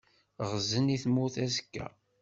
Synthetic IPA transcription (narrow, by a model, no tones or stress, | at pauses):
ʁzəniθmːuθæzəkːæ̰